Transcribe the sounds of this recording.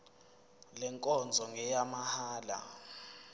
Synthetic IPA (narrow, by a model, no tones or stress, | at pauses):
lɛŋkʼɔnd͡zʱɔŋɡʱɛjamahaːla̰